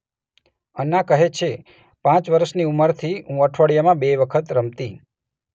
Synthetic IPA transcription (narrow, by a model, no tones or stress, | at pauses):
ənːakəɦet͡ʃʰe | pãt͡ʃʋəɾəʃniuməɾt̪ʰiũəʈʰʋəɽijamãbeʋəkʰət̪ɾəmt̪i